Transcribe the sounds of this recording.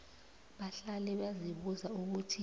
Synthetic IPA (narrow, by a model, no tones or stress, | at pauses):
ɓaɬalɛɓaziɓuzauk̬utʰi